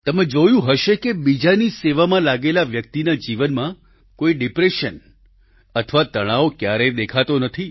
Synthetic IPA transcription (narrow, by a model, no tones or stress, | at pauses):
t̪əmed͡ʒojũɦəʃekebid͡ʒaniseʋamãlaɡelaʋjək̚t̪inad͡ʒiʋənmã | koiɖipɾeʃən | ət̪ʰəʋat̪əɽ̃aokjaɾed̪ekʰat̪onət̪ʰi